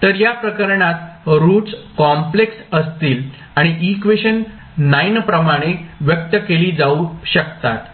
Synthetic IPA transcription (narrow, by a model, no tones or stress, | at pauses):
t̪əɾjapɾəkəɾɳat̪ɾuːt͡skɔmpleksəst̪iːl | aɽ̃iʔikʋeɕənː | ajnpɾəmaɽ̃eʋjək̚t̪əkeliːd͡zauɕəkt̪at̪